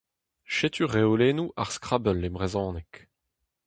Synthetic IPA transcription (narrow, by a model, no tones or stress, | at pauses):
ʃet̪yʁeoleːnuʔaʁskχabœlːebʁezɔ̃ːnɛk